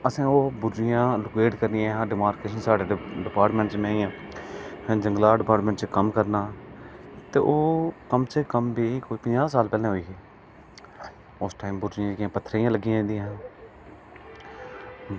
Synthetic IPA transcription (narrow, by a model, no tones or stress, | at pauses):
əsẽːoːbʊdɾɪjãːlʊkeːʈkəɾnɪãːãːɖɪmaːɾkeːʃənsaːɖeːɖɪpaːɾʈmɛ̃ːɳʈt͡ʃmẽːɪ̃jãː | ɛ̃ːd͡ʒəŋɡlaːɖɪpaːɾʈmɛ̃ːɳʈt͡ʃkəmkəɾnaː | t̪eːʔoːkəmt͡ʃekəmbiːkoːiːpəɲd͡ʒaːsaːlpɛːlẽːɦoiːeː | ʊsʈaːimbʊdɾɪjãːd͡ʒkːãːpət̪ʰːɾeːjãːləɡɪjãːnd̪ɪjããː